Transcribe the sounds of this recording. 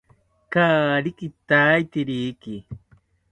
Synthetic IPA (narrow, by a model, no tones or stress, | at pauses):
kaːɾikɪt̪aːjt̪iɾiːkɪ